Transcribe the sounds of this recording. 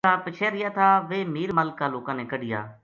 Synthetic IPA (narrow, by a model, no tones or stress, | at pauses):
aːpɪt͡ʃʰeːɾɪjaːt̪ʰaːʋeːmiːɾməːlkãːloːkãːneːkəɖɪja̰ː